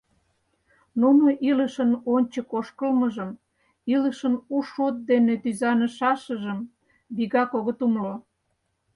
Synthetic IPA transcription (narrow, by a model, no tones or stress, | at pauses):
nunoʔiləʃənonʲt͡ɕəkoʃkəlməʒəm | iləʃənuʃot̪̚d̪enet̪yzɑnə̆ʃɑʃəʒəm | biɣɑkoɣət̪umlo